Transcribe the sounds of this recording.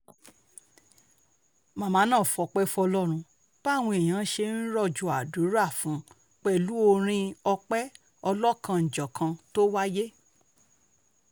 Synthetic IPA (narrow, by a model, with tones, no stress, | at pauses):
mã˨mã˨˦nãː˦˨fɔ˨˧˨k͡pɛ˦fɔ˧lɔ˦ɾ̃ũ˧ | k͡pa˦˨w̃ɔ̃˧e˨j̃ã˨˦ʃe˧n̩˦ɾɔ˦˨d͡ʒu˨a˨du˨˦ɾa˦˨fũ˨˦ | k͡pɛ˦˨lu˦o˧ɾ̃ĩ˧ɔ˧k͡pɛ˦ | ɔ˧lɔ˦kʰã˧n̩˨d͡ʒɔ˨kʰã˧to˦wa˦je˦